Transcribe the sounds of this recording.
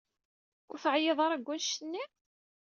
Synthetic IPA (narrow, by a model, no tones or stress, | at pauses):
ʊ̰ɾθʕjeðˤɑɾˤæɡʷːænʃənːi